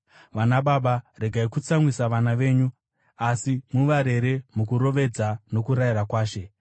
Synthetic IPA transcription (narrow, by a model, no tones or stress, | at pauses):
ʋanaɓaɓare̞ɡʱaikut͡samwisaʋanaʋe̞ːɲu | asimuʋaɾe̞ɾe̞mukuɾo̞ʋe̞d͡zano̞kuɾaiɾakwaːʃe̞